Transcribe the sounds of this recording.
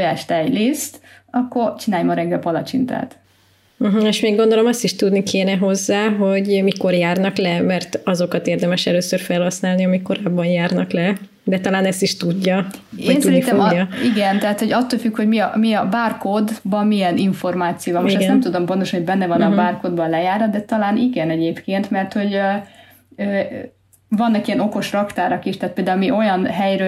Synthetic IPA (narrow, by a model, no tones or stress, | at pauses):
jaːʃt̪aɛɟleːst̪ɒkːo̞rt͡ʃinaːjmɒɾɛŋɡɛpɒlɒt͡ʃḭnt̪a̰ːt̪ | m̩ɦ̩eːʃmeːɡːo̞nd̪olo̞mɒst̪iʃt̪ud̪nikʰeːnɛɦo̞zːaːɦo̞ɟmiko̞rjaːrnɒklɛmɛrt̪ɒzo̞kɒt̪eːrd̪ɛmɛʃɛløːsøːrfɛlhɒsnaːlniɒmikko̞ɾaːbːɒnjaːrnɒklɛ | d̪ɛt̪ɒlaːnɛst̪iʃt̪uɟːɒnsudɛiniifɛoɡjɒiɡɛnt̪ɛɦaːt̪ho̞ɟɒt̪ːoːlfykho̞ɟmiɒmiɒbaːrkod̪bɒmmijɛniɱfo̞rmaːt̪sijoːvɒmoʃt̪ɛsnɛmt̪ud̪o̞mpo̞nt̪oʃɒnhoɟ̚bɛnːɛvɒnɒbaːrkod̪bɒnlɛjaːrnɒd̪d̪ɛt̪ɒlaːniɡɛnɛɟeːpkeːnt̪mɛrt̪ho̞ɟø | øː | vɒnːɒkijɛno̞ko̞ʃrɒkt̪aːɾɒkiʃt̪aːt̪peld̪aːulmiʔo̞jɒnɦɛjrø